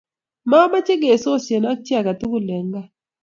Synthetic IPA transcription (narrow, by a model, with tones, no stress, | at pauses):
ma˦ma˦t͡ʃɪ˦ɡe˨so˦˨sje˨na˦k̚t͡ʃi˦a˨ka˨tu˦ɡu˦le˨ŋɡa˦